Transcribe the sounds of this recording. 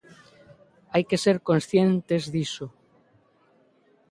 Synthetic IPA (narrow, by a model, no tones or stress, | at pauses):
ajkeseɾkonsθjent̪ezðiso